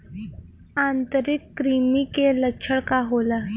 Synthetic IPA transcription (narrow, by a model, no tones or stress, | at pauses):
ant̪əɾikːɾimikeləkɕʰəɭkaɦola